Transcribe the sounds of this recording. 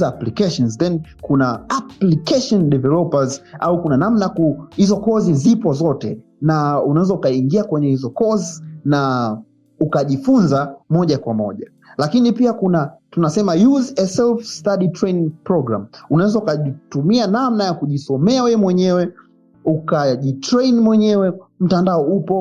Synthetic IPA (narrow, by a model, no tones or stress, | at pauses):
aplikɛʃɔnzðɛnkunaaplikɛʃɔndɛvɛlɔpaza̰ukunanamnajakuhizɔkɔzizipɔzɔtɛ | naunawɛzaukaiŋɡiakwɛɲɛhizɔkɔzina | ukaʄifunzamɔʄakwamɔʄa | lakinipiakunatunasɛmajuzɛsɛlfstaɗitɾɛjniŋpɾɔɡɾa̰m̩unawɛzaukaʄitumianamnajakuʄisɔmɛawɛmwɛɲɛwɛ | ukaʄitɾɛjnmwɛɲɛwɛm̩tandaɔupɔ